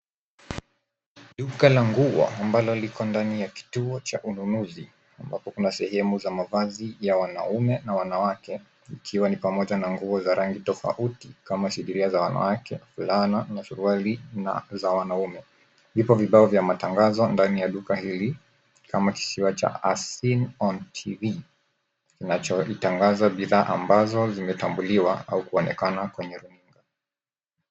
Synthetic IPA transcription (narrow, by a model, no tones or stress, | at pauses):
ɗukalaŋɡuɔ̰ambalɔlikɔndanijaki̥tuɔt͡ʃaʔununuzi | ambapɔkunasɛhɛmuzamavazijawana̰umɛnawanawakɛ | ikʰiwanipamɔʄanaŋɡuɔzaɾaŋɡitɔfa̰ʔutikamaʃiɗiɾiazawana̰wakɛfulananaʃuɾualin̰zawanaumɛ | vipɔviɓaɔvjamataŋɡazɔndanijaɗukahili | kʰamaki̥siwat͡ʃa̰asinɔntʰivi | kinat͡ʃɔitaŋɡazaɓiðaːʔa̰mbazɔzimɛtambuliwaa̰ukuɔnɛkanakwɛɲɛɾuniŋɡa